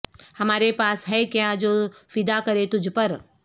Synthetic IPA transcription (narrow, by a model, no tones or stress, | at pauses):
hɐmaːɾepaːsɦɛːkijãd͡ʒoːfɪd̪akɐɾet̪ʊd͡ʒʱpəɾ